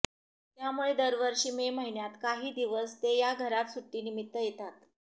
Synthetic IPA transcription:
t̪jamuɭed̪əɾʋəɾʂiːmeməɦiɳjat̪kaɦiːd̪iʋəst̪ejaɡʱəɾat̪suʈːiːnimit̪ːəjet̪at̪

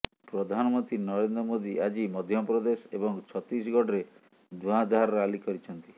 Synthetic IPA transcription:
pɾɔd̪ʱanɔmɔnt̪ɾinɔɾend̪ɾɔmod̪iʔad͡ʒimɔd̪ʱjɔpɾɔd̪esebɔŋt͡ʃʰɔt̪ɾisɡɔɖɾe | d̪ʱuãd̪ʱaɾɔɾalikɔɾit͡ʃʰɔnt̪i

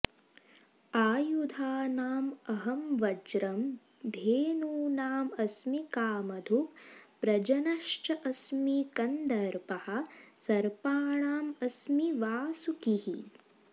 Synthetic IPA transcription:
aːjud̪ʱaːnaːmɐɦɐmʋɐd͡ʒɾɐm | d̪ʱeːnuːnaːmɐsmikaːmɐd̪ʱukpɾɐd͡ʒɐnɐʃt͡ʃɐʔɐsmikɐnd̪ɐɾpɐhɐ̆sɐɾpaːɳaːmɐsmiʋaːsukihi

